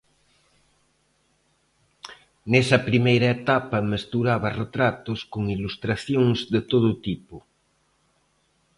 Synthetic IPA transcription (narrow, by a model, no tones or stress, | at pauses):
nesɐpɾimejɾɐet̪apɐmest̪uɾaβɐret̪ɾat̪oskoŋilust̪ɾaθjoŋzðet̪oð̞ot̪ipo